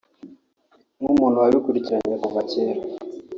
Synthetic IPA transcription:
ŋumun̤uwaβikuɾiciɾaɲekuβaceɾa

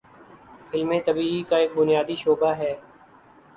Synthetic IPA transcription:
ɪlmẽt̪əbiːikaeːk̚bʊnjaːd̪iʃoːbaɦɛː

